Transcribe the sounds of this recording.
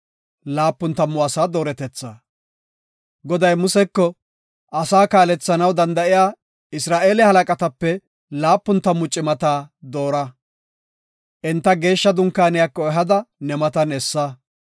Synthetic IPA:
laːpːʊnt̪ɐmːʊɐsaːd̪oːɾɛt̪ɛt͡sːaː | ɡɔd̪ɐjmʊsɛkːɔ | ʔɐsaːkaːlɛt͡sːɐnɐwd̪ɐnd̪ɐʔɪjaː | ɪsɾaːʔe̞ːlɛhɐlɐkʼɐt̪ɐpːɛ | laːpːʊnt̪ɐmːʊt͡ʃʼːɪmɐt̪aːd̪o̞ːɾɐ | ʔɛnt̪ːɐɡe̞ːʃːɐd̪ʊŋkːaːnɪjakːɔɛɦɐd̪ɐnɛmɐt̪ɐnɛsːɐ

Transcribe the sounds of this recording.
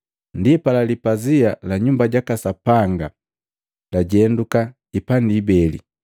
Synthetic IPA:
ndiɛpalalipazialaɲumbaɟakasapaŋɡa | laɟɛnduka | ipandiːbɛlḭ

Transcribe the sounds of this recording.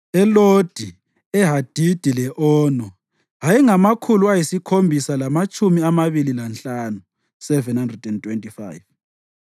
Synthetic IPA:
ɛlod̥ʱi | ɛɦad̥ʱid̥ʱilɛʔɔːnɔ | ɦajɛŋamakʰuluajisikʰombʱisalamat͡ʃʼumiamaβililanɬaːnu | sɛvɛnhandrɛdɛntwɛntʼifa̰jv

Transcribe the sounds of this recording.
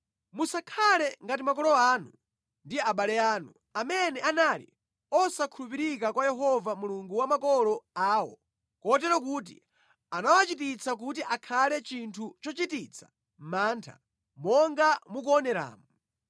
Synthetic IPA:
musakʰalɛŋɡatimakɔlɔaːnu | ndiaɓalɛaːnu | amɛnɛʔanalḭ | ɔsakʰulup̬iɾikakwajɛɦɔvamuluŋɡuwamakɔlɔaːwɔ̰ | kɔtɛɾɔkuːt̬ḭ | anawat͡ʃitit͡sak̬utiʔakʰalɛt͡ʃintʰut͡ʃɔt͡ʃitit͡sʰḁ | m̩maːntʰa̰ | mɔŋɡamuk̬uɔnɛɾa̰ːmu

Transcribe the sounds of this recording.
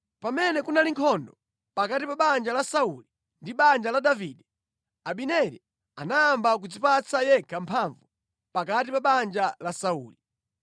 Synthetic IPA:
pamɛnɛkunaliŋkʰɔndɔ | pakatipaɓand͡ʒalasauli | ndiɓand͡ʒalaɗaviːɗɛ | aɓinɛɾi | anaːmbak̬ud͡zipat͡sajɛkʰampʰaɱvu | pakatipaɓand͡ʒalasauːli

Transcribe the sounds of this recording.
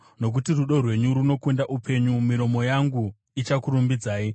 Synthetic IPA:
no̞k̬utiruɗo̞rwe̞ɲuɾuno̞kendaʔupʰe̞ɲumiɾo̞mo̞jaŋɡu | it͡ʃakuɾumbid͡zaːi

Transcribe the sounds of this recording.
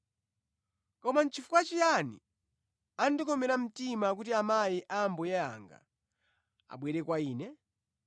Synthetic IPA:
kɔmant͡ʃʰifukat͡ʃijanḭ | andikɔmɛɾam̩timak̬utiamajiʔambɔjɛa̰ŋɡa̰ | a̰ɓwɛɾɛkwaiːnɛ

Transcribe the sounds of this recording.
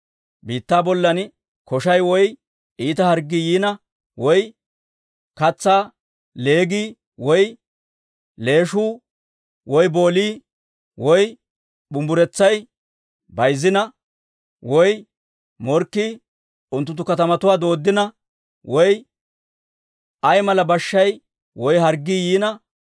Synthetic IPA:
biːt̪ːaːbɔlːɐn | kʰɔʃɐjwɔj | ʔiːt̪ɐhɐɾɡːijiːnɐ | wɔj | kɐt͡sːaː | le̞ːɡiː | wɔj | le̞ːʃuː | wɔjbo̞ːliː | wɔj | ɓʊmbʊɾɛt͡sːɐj | bɐjzɪnɐ | wɔj | mɔɾkːiː | ʊnt̪ːʊt̪ːʊkɐt̪ɐmɐt̪ʊwaːd̪o̞ːd̪ːɪnɐ | wɔj | ʔɐjmɐlɐbɐʃːɐj | wɔjɦɐɾɡːiːjiːnɐ

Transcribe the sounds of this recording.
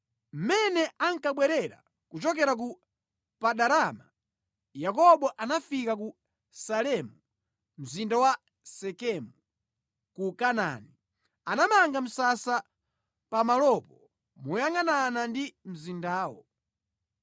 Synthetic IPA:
m̩mɛnɛaŋkaɓwɛɾɛɾa̰ | kut͡ʃɔk̬ɛɾak̬u | paɗaɾama | jakɔɓɔʔanafikaku | salɛmu | m̩zindawa | sɛkɛmu | kukana̰ni | anamaŋɡam̩sasa | pamalɔpɔ | mujaŋananandim̩zindaːwɔ

